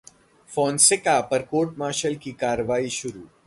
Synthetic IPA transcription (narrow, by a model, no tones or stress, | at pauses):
fɔ̃ːnsɪkapɐɾkoːʈmaːʃəlkikaːɾəʋaːiʃʊɾuː